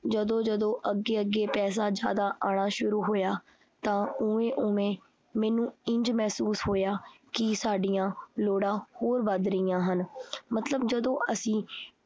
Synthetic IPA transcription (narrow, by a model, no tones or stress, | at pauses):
d͡ʒəd̪õːd͡ʒəd̪õːʔəɡːeːəɡːeːpɛːs̬aːd͡ʒja̰ːd̪aːʔaːɽ̃aːʃʊɾuːɦoːjaː | t̪ãːʊẽːʔʊẽː | mɛ̃ːnũːɪ̃ɲd͡ʒmɛːsuːshoːjaːkɪsaːɖijãːloːɽãːhoːɾʋəd̪ɾəiːjãːɦənmət̪ləbd͡ʒəd̪õːʔəsĩː